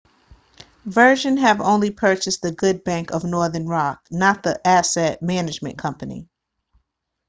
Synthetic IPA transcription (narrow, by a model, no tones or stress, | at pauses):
vɜ˞ʒɨ̃nɨvõʊ̃nlipʰɜ˞t͡ʃɨsðɨɡʊd̚bæ̃ŋkʌvnɔɹðə˞nɹɑk̚nət̪̚ðiʔæsɛt̚mænɨd͡ʒmɨ̰̃nkʰʌ̃mpɨnḭ